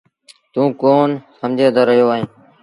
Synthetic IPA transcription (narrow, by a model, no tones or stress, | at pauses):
t̪ũːkoːnsəmd͡ʒʱeːd̪aːɾəɦijoːaːɦẽː